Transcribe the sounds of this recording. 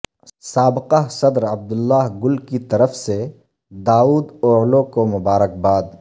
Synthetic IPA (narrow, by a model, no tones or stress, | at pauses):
saːbɪqaɦsɐd̪ɾɐb̚d̪ʊlːaːɦɡʊlkit̪ɐɾəfse | d̪aːuːd̪oːɦlõkomʊbaːɾək̚baːd̪